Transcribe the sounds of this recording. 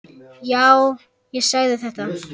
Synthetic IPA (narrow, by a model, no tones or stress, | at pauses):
jaw | jɛsaɣðɪθɛht̪a